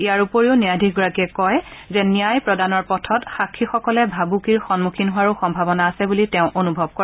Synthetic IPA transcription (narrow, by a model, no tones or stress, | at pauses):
ijaɹupoɹiʊnijadʱiɡɔɹakiɛkɔjzɛnijajpɹɔdanɔɹpɔtʰɔtxakʰːixɔkɔlɛbʱabukiɹxɔnmukʰinɦʊwaɹuxɔmbʱabɔnaːsɛbulitɛʊ̃ʔonubʱɔb̚kɔɹa